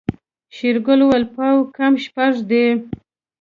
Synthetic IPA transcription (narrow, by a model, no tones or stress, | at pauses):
ʃiɾɡʊlowalpɑwkamʃpaʐd̪e